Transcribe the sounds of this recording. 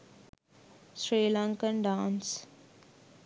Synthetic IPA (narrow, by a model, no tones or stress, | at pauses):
sɾeːlãŋkə̃nɖãːns